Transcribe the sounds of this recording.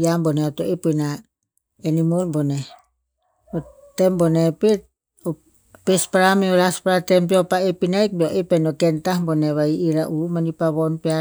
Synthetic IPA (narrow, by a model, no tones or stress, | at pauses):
jamboneotoipujna | enimolbone | o | tembonepet̚ | o | pespaɾameolaspaɾatempiopaepinajk̚boʔepenokentahboneβaiʔiɾaʔumanipaβonpea